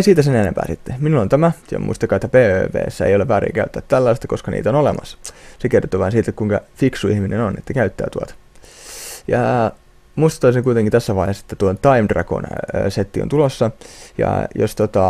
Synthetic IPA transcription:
esiːt̪æsenenempæ̰ːsit̪ːeminulːont̪æmæo̰mṵist̪ɑkːɑːet̪ːæpeːø̰ːpḛːsːæḛjoleʋæːɾḭŋkæyt̪ːæt̪t̪ːælːɑist̪ɑkoskɑnʔḭːt̪onolemɑ̰ssekert̪ːoʋɑinsiːt̪ːekkuiŋkɑfiksuihminenonet̪ːækæyt̪ːæ̰ːt̪uot̪ɑ̥ | jɑ | muist̪ɑ̥t̪oiseŋkuit̪eŋkint̪æsːæʋɑihese̥t̪ːæt̪uont̪ɑimd̥rɑ̰ko̰nːset̪ːio̰nt̪ulosːɑjɑ̰jost̪ot̪ɑ

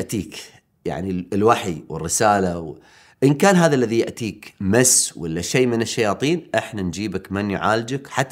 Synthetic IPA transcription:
ʔt̪iːk | ja̰ʕnilwaħiwɪ̰rːɪsaːlaw | ʔənkaːnɦaːðalːaðijɪʔt̪iːkmasːwɪlːaʃeːmɪnɪʃːajɑːt̪ˤiːnʔɪħnand͡ʒiːbakmɪnjʕaːld͡ʒɪkħat̪ː

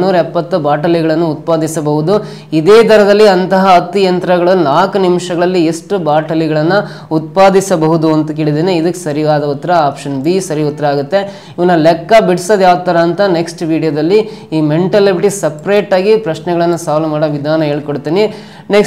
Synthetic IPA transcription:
nːuːɾɐɛpːɐt̪ːubaːʈɐliɡɐɭɐnːuut̪̚paːd̪isɐbɐɦud̪u | id̪eːt̪ʰɐɾɐd̪ɐlːiɐnt̪ɐɦɐːt̪ːijɐnt̪ɾɐɡɐɭɐnaːkunimʂɐɡɐɭɐlːieʂʈubaːʈɐliɡɐɭɐnːu | ut̪̚paːd̪isɐbɐɦud̪uɐnt̪ɐkeːɭid̪eːneid̪ɐkːesɐɾiʋaːd̪ɐut̪ːɐɾɐaːpʂɐnbisɐɾiɔt̪ːɐɾɐaːɡut̪ːe̞ | iʋɐnːulɛkːɐbiɽsɐd̪jaːʋt̪ːɐːɾɐːnt̪ɐne̞ksʈʋiːɽijɐd̪ɐlːi | iːmeɳʈɐlebiʈisɐpɾeːʈaːɡipɾɐʃnɛɡɐɭɐnːusaːʋlɐmaːɽɐʋid̪ʱaːnɐɦe̞ːɭkoɽt̪ːiːni | nek

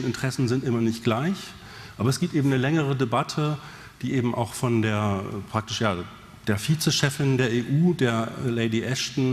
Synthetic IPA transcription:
nɪntʁ̥ɛsn̩zɪntʔɪmɐnɪçt̚ɡ̥laɪç | ʔaːbɐɛsɡ̥iːp̚teːbm̩nəlɛŋəʁ̞ədebatʰə | d̥iːʔeːbm̩ʔa̰ʊxfɔndeːɐ̰pʁ̥ak̚tɪʃjaː | d̥eːɐfiːt͡səʃɛfɪndeːɐeːʔuːdeːɐleɪdiʔɛʃtn̩

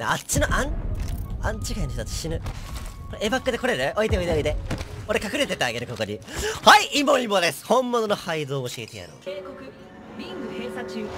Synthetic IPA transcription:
nḛat͡ɕinoʔãɲ | ãɲ̟t͡ɕikainoçt̪ot̪ːat͡st͡ɕi̥ɕinɯ̟koɾeebakːɯd̪e̞ko̞ɾe̞ɾɯ̟ʔoit̪eo̞id̪eoid̪e̞oɾe̞kakɯ̟ɾe̞t̪e̞t̪eaɡe̞ɾɯ̟ko̞ko̞ɲihaiʔimoĩmːod̪e̞sɨ̥hõ̞mːo̞nono̞haid̪o̞ːɕiet̪eja̰ɾo̰ekokɯ | bʲĩŋɡɯesat͡ɕɨ

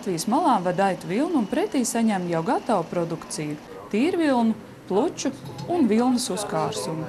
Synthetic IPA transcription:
t̪vijəsmalˠɑːmvad̪ajt̪uvilˠnːnpɾɛt̪iːsaɲæmjawɡat̪awpɾɔd̪ukt̪siju | t̪iːɾvilˠnu | plˠut͡ʃuunvilˠnəsuskaːɾsumu

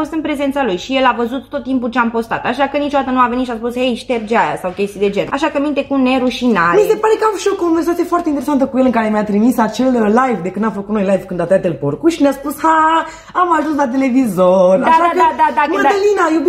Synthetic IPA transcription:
o̞st̪ɨnpɾe̞ze̞nt̪salujʃije̞lavəzut̪ːot̪ːimpult͡ʃeampo̞st̪a̰t̪aʃakənit͡ʃod̪at̪ənuaveit̪ʃiaspushejʃt̪e̞rd͡ʒeaja̰sawkʲe̞st̪id̪e̞d͡ʒe̞naʃakəmint̪e̞kuneɾuʃinaɾmise̞paɾe̞kauʃokːonveɾs̬at̪sijefoart̪eint̪eɾesant̪̬əkujelɨŋkaɾe̞mijat̪ɾimisat͡ʃe̞lːajvd̪ekɨnamfəkut̪nojlajvkɨnd̪at̪oɾat̪elporkuʃinʲaspusha | amaʒuns̬lat̪̬e̞le̞vizoraaʃakəad̪ad̪amad̪alinaje

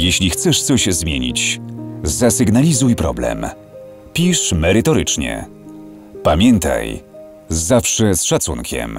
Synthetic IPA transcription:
jeɕlʲixt̪sɛʂt̪sɔɕzmʲjeɲḭt͡ɕ | zasɘɡnalʲizujpɾɔ̰blɛ̰m | pʲiʂmɛɾɘt̪ɔɾɘt͡ʂɲɛ̰ | pamʲjɛnt̪a̰j | zafʂɛsʂat̪sunkʲɛ̰m

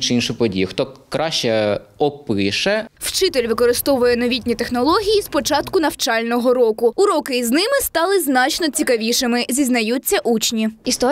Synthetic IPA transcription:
t͡ʃɪinʃʊpɔdʲḭjʊxt̪ɔkɾɑʃt͡ʃɛɔpɪʃɛwt͡ʃɪt̪elʲʋɪkɔɾɪst̪ɔʋʊjɛnɔʋʲitʲnʲit̪exnɔlˠɔɦʲijispɔt͡ʃɑt̪kʊnɐwt͡ʃɑlʲnɔɦɔɾɔkʊʊɾɔkɪznɪmɪst̪ɑlˠɪznɑt͡ʃnɔt͡sʲikɐʋʲiʃɪmɪzʲiznɐjutʲt͡sʲːɐʔut͡ʃnʲiist̪ɔ

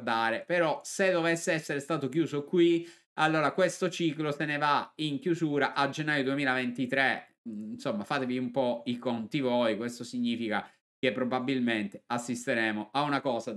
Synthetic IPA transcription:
d̪aːɾepeɾɔsed̪ovesːeɛsːeɾest̪aːt̪ok̟juːzokwi | alːoːɾakwest̪ot͡ʃiːklosenevaiŋkjuzuːɾaʔad͡ʒenːaːjod̪uemiːlavent̪it̪ɾe | nsomːafaːt̪eviumpɔikont̪ivojkwest̪osiɲːiːfika | k̟epːɾobabilment̪e̥asːist̪eɾɛːmoʔaunakɔːza

